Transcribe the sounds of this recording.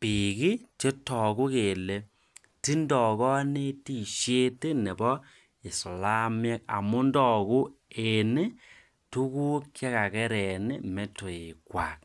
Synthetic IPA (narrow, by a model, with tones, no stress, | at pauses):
pi˨ki˦t͡ʃe˦tɔ˨ku˦ke˨le˨ | ti˦ndɔ˨kɔ˦ne˦ti˨ʃje˦te˦ne˨bɔ˦ | e˨so˨la˦m˦ɛ˦k̚a̰˨mu˦ndɔ˦˨ku˦ | e˨ne˦ | tu˦ku˦kja˦ka˨kɛ˦ɾɛ˨ne˦mɛ˦to˨e˨kwa˨k̚